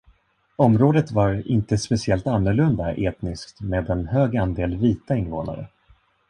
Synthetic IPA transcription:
ɔmɾoːd̪ət̪vaɾɪnt̪əspɛsɪɛlt̪anːɵɾɭɵnd̪aʔeːt̪nɪskt̪meːd̪ɛnhøːɡand̪eːlviːt̪aɪnːvoːna̰ɾə̰

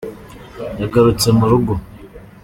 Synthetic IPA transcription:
jaɡaɾut͡semuɾuɡo

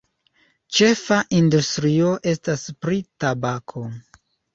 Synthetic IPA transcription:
t͡ʃe̞faʔindustɾio̞ʔe̞staspɾitabakʰo̞

